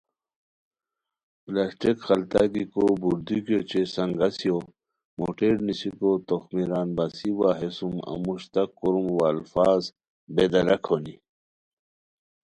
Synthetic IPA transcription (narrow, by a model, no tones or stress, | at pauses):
plasʈikxɐlt̪aɡikobuɾd̪ikjot͡ɕesɐŋɡɐsjo | moʈeːɾnisikot̪oxmiɾaːnbasiwaːɦesumɐ̰muɕt̪ɐkːuɾumwalfaːz | bed̪ɐɾɐkʰoni